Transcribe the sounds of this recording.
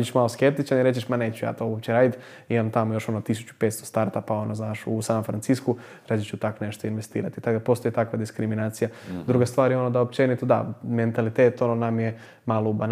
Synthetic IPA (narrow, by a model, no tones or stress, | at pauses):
d͡ʒiʃmaloskep̚t̪it͡ʃaniɾe̞t͡ʃeʃmane̞ːt͡ɕuja̰ːt̪oopt͡ɕeɾaːd̪it̪ | imamt̪amojo̞ʃo̞not̪is̬u̥t͡ɕu̥pe̞ːt̪st̪o̞st̪aɾt̪apao̞noznaːʃusanomfɾant̪sisku | ɾad͡ʒit͡ɕut̪akne̞ʃt̪o̞inʋe̞st̪ḭːɾat̪i̥t̪akd̪apo̞st̪o̞jit̪akʋad̪iskɾiminaːt̪sijad̪ɾuɡast̪ʋaːɾjeo̞nod̪aopt͡ʃenit̪ud̪a̰me̞nt̪alit̪eːt̪o̞nonamje | maloban